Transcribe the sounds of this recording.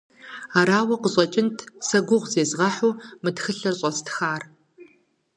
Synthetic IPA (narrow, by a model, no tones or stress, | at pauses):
aːɾaːwɐqʷəɕʼɐt͡ʃʼɪntʰsɐɡʷʊʁʷzeːzʁɐħuːmɨtxɨɬɐrɕʼɐstʰxaːr